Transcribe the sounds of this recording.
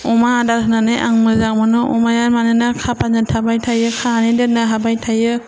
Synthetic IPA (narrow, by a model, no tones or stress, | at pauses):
ɔmaːdasʰɯnanɯjʔaŋmɯzaŋ̚mɯnɯʔɔmajaɾmanɯnakʰapʰanɯtʰabajtʰajɯkʰanɯdɯnɯɦabajtʰajɯ